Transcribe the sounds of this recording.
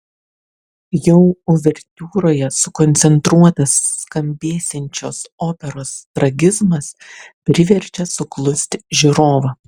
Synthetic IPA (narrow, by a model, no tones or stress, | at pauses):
jɛʊʊʋʲɛɾʲt̪ʲuːɾoːjɛsʊkɔnʲt̪sʲɛnt̪ɾuɔt̪ɐsːkɐmʲbʲeːsʲɛnʲt͡ʃʲo̰ːsoːpʲɛɾoːst̪ɾɐɡʲɪzmɐspʲɾʲɪʋʲɛɾʲt͡ʃʲɛsʊklˠʊsʲt̪ʲʒʲɪɾoːʋɐ